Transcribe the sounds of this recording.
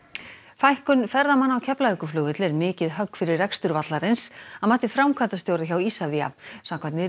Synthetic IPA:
fajhkʏnfɛɾðamanːawcʰɛplahʏkʏflʏːɣvɪt̪lɛɾmɪːcɪðɦœkːfɪɾɪrːɛkst̪ʏɾvat̪laɾɪnsaðmaːht̪ɪfɾawmkʰant̪ast̪jowɾðaçawisavia̰samkʰvat̪nɪ

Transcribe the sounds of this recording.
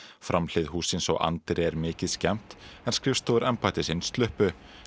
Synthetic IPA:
fɾʔamlɪðhuːsɪnsɔ̰wʔa̰nt̪ɾɛɾmɪːcɪðscɛm̥t̪ɛnskɾɪfst̪ʰoːðʏɾʔɛmpaːjt̪ɪsɪnst̪lʏhpʏ

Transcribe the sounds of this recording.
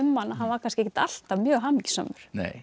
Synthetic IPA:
ʏmːanːaɦanvaɾkʰanskɪehçcɪ̥t̪al̥t̪amjœːɣɦamicsœ̰ːmʏɾ̥nḛj

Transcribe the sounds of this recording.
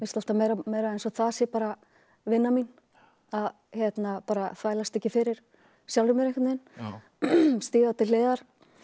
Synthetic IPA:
mɪnst̪al̥t̪amejɾamejɾaðɛjnsɔθaðsjɛpaːɾa | vɪnːamin | að | çɛt̪napaːɾaθvajlast̪ɛhcːɪfɪɾɪɾ̥ | sjawlɾʏmɪɾɛjkat̪nɪn | st̪iːɣat̪ɪleːðaɾ̥

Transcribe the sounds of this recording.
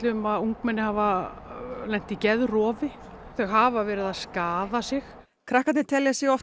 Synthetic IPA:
t̪lɪʏmaðuŋkmɛnːɪhava | lɛn̥t̪icɛðrɔːvɪ | θœɣɦaːvavɛːɾɪðaðskaːðasɪx | kʰɾahkat̪nɪt̪ʰɛljasjɛɔf

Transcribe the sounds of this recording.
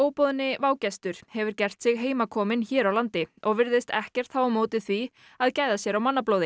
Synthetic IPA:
oːwpɔːðʏnːɪvaːwcɛst̪ʏɾ̥hɛvʏɾ̥cɛr̥t̪sɪɣɦeːjmakʰɔːmɪnçɛːɾawlant̪ɪɔɣvɪɾðɪst̪ɛ̰hcɛ̥t̪̚θawamoːwt̪ɪθvi | aðcaːjðasjɛɾawmanːaploːwðɪ

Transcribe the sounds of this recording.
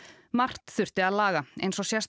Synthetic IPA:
mar̥t̪θʏr̥t̪ɪaðlaːɣaḛjnsɔsjɛst̪

